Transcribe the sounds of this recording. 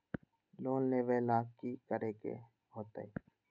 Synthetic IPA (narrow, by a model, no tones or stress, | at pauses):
loːnːeːʋeːlaːkːiːkəɾeːkḛ | ɦoːt̪a̰iː